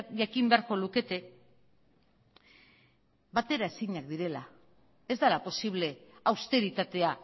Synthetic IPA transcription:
ʝakimbe̞aɾko̞luke̞t̪e̞ | bat̪e̞ɾaesiɲakd̪iɾe̞la | e̞zd̪alapo̞siβ̞le̞awst̪e̞ɾit̪at̪e̞a

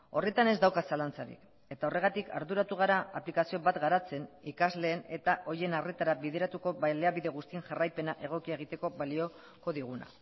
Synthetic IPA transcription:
o̞re̞t̪ane̞zd̪awkasalant͡saɾḭk | e̞t̪ao̞re̞ɣat̪ikʰa̰ɾðuɾat̪uɣ̞aɾaːplikasio̞βat̪ɡaɾat͡se̞nikazle̞ːne̞t̪aʔo̞jenaret̪aɾaβið̞e̞ɾat̪uko̞βaleaβiðe̞ɣ̞ust̪ie̞ŋʝarajpe̞naʔe̞ɣ̞o̞kiaeɣ̞it̪e̞ko̞βalio̞ | ko̞ðiɣ̞una̰

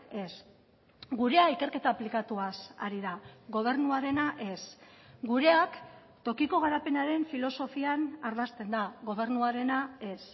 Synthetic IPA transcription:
e̞s | ɡuɾe̞aike̞ɾke̞t̪aːplikat̪uasa̰ɾiðaɣo̞β̞e̞ɾnuaɾe̞naʔe̞sɡuɾe̞ak | t̪o̞kiko̞ɣ̞aɾape̞naɾe̞ɱfilo̞so̞fianaɾðast̪e̞nd̪aɣo̞β̞e̞ɾnuaɾe̞nae̞s

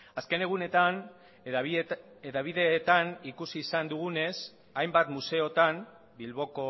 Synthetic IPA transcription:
aske̞ne̞ɣ̞une̞t̪an | eðaβ̞iðe̞ːt̪anikusiːsand̪uɣune̞s | ajmbat̪muse̞o̞t̪am | bilβo̞ko̞

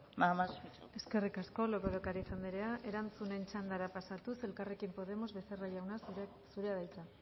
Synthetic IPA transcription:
mamase̞ske̞rikasko̞lokoðokaɾaisand̪iɾeaʔe̞ɾant͡sune̞nt͡ʃand̪aɾapasat̪use̞lkare̞kimpo̞ðe̞mo̞zβe̞θeraʎawnas | suɾeaðajt͡sa

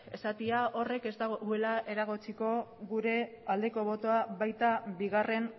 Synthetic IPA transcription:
e̞sat̪iaʔo̞re̞ke̞zd̪aɣɣoe̞lae̞ɾaɣ̞ot͡siko̞ɣuɾe̞ | ald̪e̞ko̞βo̞t̪o̞aβajt̪abiɣ̞are̞n

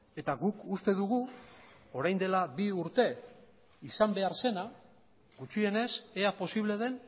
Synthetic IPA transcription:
e̞t̪aɣukust̪e̞ðuɣ̞u | o̞ɾajnd̪e̞laβiuɾt̪e̞ | isambe̞aɾse̞na | ɡut͡ʃie̞ne̞se̞apo̞siβ̞le̞ðe̞n

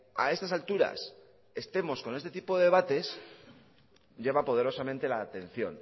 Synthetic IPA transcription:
a̰e̞st̪asalt̪uɾa̰s | e̞st̪e̞mo̞sko̞nest̪e̞t̪ipo̞ðeβat̪e̞s | ʝeβapo̞ð̞e̞ɾo̞samẽ̞nt̪e̞laːt̪e̞n̟θjo̞̰n

